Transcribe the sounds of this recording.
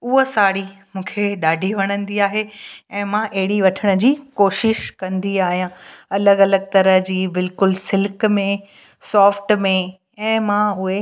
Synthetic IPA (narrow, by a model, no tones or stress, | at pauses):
ʊɦosaːɽimũːkʰeɗaːɖʱiʋɐɽ̃ə̃nd̪iaːɦeɛ̃ːmãʔɐɦɪɽiʋɐʈʰəɽ̃ə̆d͡ʑiːkoːʃɪʃkɐ̃nd̪iaːɦijãɐləɡɐləɡ̚t̪ɐɾəɦd͡ʑiːbɪlkʊlsɪlkmẽ | sɔːfʈmẽ | ɛ̃ːmãʊɦe